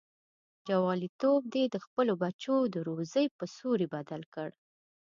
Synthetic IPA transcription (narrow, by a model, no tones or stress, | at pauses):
d͡ʒawɑlit̪ob̚d̪ed̪əxpəlobat͡ʃod̪əɾozəjpəsoɾibad̪alkəɽ